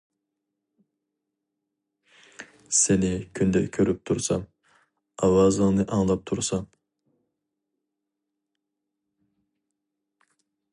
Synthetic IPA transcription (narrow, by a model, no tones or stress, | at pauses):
senɪkʲʰynd̪ɛkʲʰøɾyp̚t̪ʰuɾsɑm | ɑwɑzɨŋnɨʔɑŋlˠɑp̚t̪ʰuɾsɑm